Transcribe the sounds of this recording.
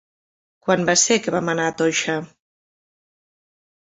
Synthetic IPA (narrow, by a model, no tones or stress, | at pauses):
kwanbasekeβamanat̪oʃa